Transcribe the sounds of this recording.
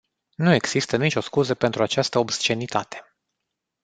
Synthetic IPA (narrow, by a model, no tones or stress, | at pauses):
nue̞ɡz̥ist̪ənit͡ʃo̞skuzəpe̞nt̪ɾuat͡ʃast̪əobst͡ʃe̞nit̪at̪e̞